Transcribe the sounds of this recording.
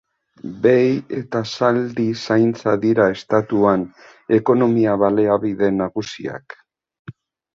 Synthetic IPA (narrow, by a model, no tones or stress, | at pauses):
be̞je̞t̪asald̪isajnt͡saðiɾae̞st̪at̪uan | e̞ko̞no̞miaβale̞aβiðe̞naɣusia̰k